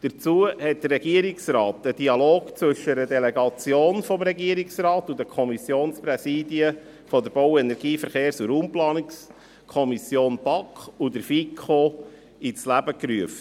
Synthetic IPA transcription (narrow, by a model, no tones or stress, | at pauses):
d̥əɾt͡suəhɛt̚d̥ərːɛɡ̥iəɾɪksrɑːtəd̥iɑloːɡt͡sʋɵʃəɾədɛlɛɡɑt͡sjoːnfɔmɾɛɡiəɾiksrɑːtud̪əkʰɔmisjoːnsprɛsiːdiə | fɔdəɾb̥ɔwɛnɛɾɡ̥iːfəɾχeːɾsuɾuːmplɑːnɪks | kʰɔmisjoːnb̥ɑkχudəɾfikʰχo | it͡slæbəkryəft